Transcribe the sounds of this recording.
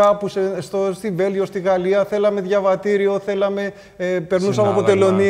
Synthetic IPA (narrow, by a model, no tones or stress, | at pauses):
ɐpusest̪ost̪ive̞lʝost̪iɣɐliɐθe̞lɐme̞ðʝɐvɐt̪iɾio̞θe̞lɐme̞ | pe̞ɾnusɐmeɐpot̪e̞lo̞ni